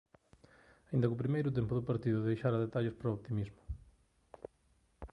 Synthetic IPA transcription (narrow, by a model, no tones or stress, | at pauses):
aĩnd̪ɐkupɾimejɾʊt̪empʊðʊpaɾt̪iðʊðejʃaɾɐðet̪aʎospɾoopt̪imizmʊ̥